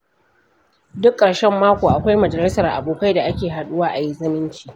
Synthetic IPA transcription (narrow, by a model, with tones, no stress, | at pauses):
dʊ˦kʼːɐ˨ɽʃɛ˦mːaː˦kʷoː˨ʔa˨kʷa˦jmɐ˨d͡ʒɐ˨lɪ˦sɐ˨rʔa̰˨boː˨ka˦jda˨ʔa˦kʲeː˨ɦa˨ɗʊ˦waː˦ʔa˨ji˦zɐ˦mɪ˦nt͡ʃi̥ː˨